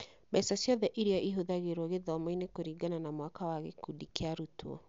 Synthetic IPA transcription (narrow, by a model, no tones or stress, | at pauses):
basasjɔðɛʔiɾiaʔiɦoðaɣeɾoɣeðɔmainekoɾiːɡananamwakawaɣḛkudikeaɾutuɔ̰